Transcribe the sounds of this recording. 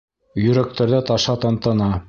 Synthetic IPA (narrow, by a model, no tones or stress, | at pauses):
jɵ̆ɾæk̚t̪ʰæɾðæt̪ɑʃɑt̪ɑnt̪ɤ̆nɑ